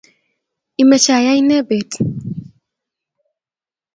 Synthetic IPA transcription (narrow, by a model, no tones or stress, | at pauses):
ʔimət͡ʃaːjajnɛbeːt̪ʼ